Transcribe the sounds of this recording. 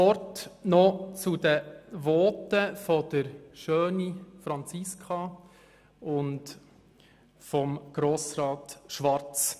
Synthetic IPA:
ɔɾtnɔt͡sʊdəʋɔːtəfɔd̪̥əɾʃøːnifɾɑnt͡sɪskʰɑ | ʊnt | fɔmɡ̥ɾoːsɾɑːtʃʋɑɾt͡s

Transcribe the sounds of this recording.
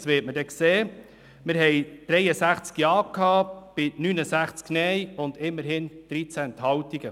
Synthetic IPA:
sʋɪːtmədɛkseː | mɪɾɦɛjd̥ɾɛjəsæχt͡skjɑːkʰhɑːb̥ɪnynəsæχt͡sknɛjʊnd̪ɪmːəɾhɪnd̥ɾit͡sænt̪hɑwtiɡə

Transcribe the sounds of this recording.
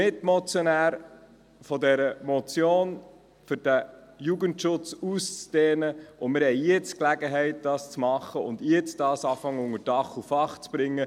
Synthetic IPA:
ɪtmɔt͡sjɔnæːɾ | fɔdɛɾəmɔt͡sjoːn | fʏɾd̥æjuɡəntʃʊt͡sust͡sd̥eːnəʔʊnmɪɾhɛɪjɛt͡sklæɡəɦɛɪt̚d̥ɑːst͡smɑχːəʊndjɛt͡sd̥ɑːsɑːfɑŋːəʊŋəɾd̥ɑχufɑχt͡sb̥ɾɪŋːə

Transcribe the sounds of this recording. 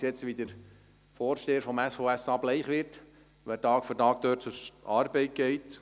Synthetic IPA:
sjɛt͡sʋidəɾ | fɔːɾʃteːəɾfɔmæsfoæsɑːb̥lɛɪχʋɪɾt | ʋætɑːkfyɾtɑːk̚d̥̪øːtt͡sʊɑːɾbɛɪt̚ɡ̥ɛɪt

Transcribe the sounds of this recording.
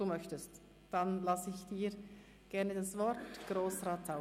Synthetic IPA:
d̥uːmœçtəst | d̥anlasɪçd̥iːɾ | ɡ̥ɛʁnədasvɔɾtɡ̥roːsraːtʰaʊ

